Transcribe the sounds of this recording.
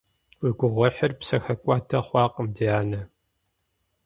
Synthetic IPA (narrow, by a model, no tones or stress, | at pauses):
wiɡʷʊʁʷɐħɪrpsɐxɐkʷʼɑːtʰɐχʷɑːqʼəmdiaːnɐ